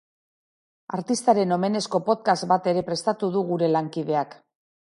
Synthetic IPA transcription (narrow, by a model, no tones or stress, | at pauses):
aɾt̪ist̪aɾe̞no̞me̞ne̞sko̞po̞t̪kast̪̚bat̪e̞ɾe̞pɾe̞st̪at̪uðuɣuɾe̞laŋkið̞e̞ak